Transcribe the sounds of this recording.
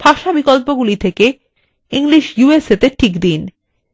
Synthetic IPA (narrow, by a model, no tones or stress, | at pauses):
b̥ʱaʃabikɔlpoɡulit̪ʰeke | iŋliʃjueset̪eʈʰikd̪in